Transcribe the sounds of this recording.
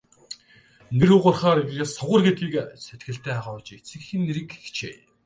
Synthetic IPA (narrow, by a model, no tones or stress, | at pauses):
neɾuːʁʊrχaːɾiɣɣeːsɔʁə̆rɡet̪ɡiːkset̪̚ɡɘ̆ɬt̪ʰæːaʁʊt͡ɕet͡sɘ̆kxĭnːeɾɘ̆kxt͡ɕʰḛː